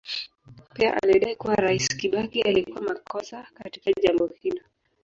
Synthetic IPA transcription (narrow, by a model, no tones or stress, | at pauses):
piaʔa̰liɛɗaikuwaɾaisi̥kiɓakiʔalikuwamakɔsakati̥kaʄambɔhilɔ